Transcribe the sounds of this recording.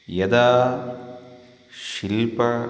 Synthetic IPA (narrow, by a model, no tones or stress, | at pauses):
jɐd̪aː | ʃilpɐ